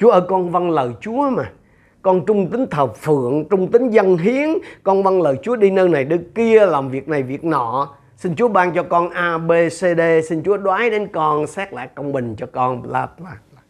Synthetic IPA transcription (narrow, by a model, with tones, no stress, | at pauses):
t͡ɕu˨˦əʔəː˧˩kɔ˧nva˧nləː˨˩jt͡ɕu˨˦əmaː˨˩ | kɔ˧nt͡ɕʊ˧ŋ͡mt̪ï˨˦ŋ̟t̪ʰəː˨˩p̚fɨ̰˧˨əŋt͡ɕʊ˧ŋ͡mt̪ï˨˦ŋ̟zə˧nɦi˨˦ənkɔ˧nva˧nləː˨˩jt͡ɕu˨˦əɗi˧nəː˧na˨˩jɗɨ˧˦ki˧əla˨˩wŋ͡mvi˨˩ək̚na˨˩jvi˨˩ək̚nɔ̰˧˨ | si˧nt͡ɕu˨˦əɓaː˧nt͡ɕɔ˧kɔ˧nʔaː˧ɓe˧se˧ɗe˧sï˧ŋt͡ɕu˨˦əɗwaː˨˦jɗe˨˦nkɔ˧nsɛː˦˥k̚la̰ː˧˨jkə˧wŋ͡mɓï˨˩ŋ̟t͡ɕɔ˧kɔ˧nlaː˧˩p̚laː˧˩a˧˩